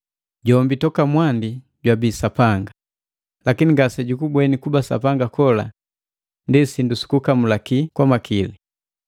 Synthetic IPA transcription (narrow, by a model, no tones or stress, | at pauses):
ɟɔmbitɔkamwandi | ɟwabisapaŋɡa | lakiniŋɡasɛɟukubwɛnikubasa̰paŋɡakɔla̰ | ndisindusi̥kukamulakikwamakʰili